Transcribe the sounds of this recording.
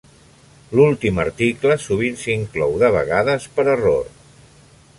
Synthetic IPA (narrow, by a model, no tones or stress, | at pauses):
lulˠt̪iməɾt̪ikləsuβ̞insiŋklɔwðəβ̞ə̰ɣaðəspəɾəroɾ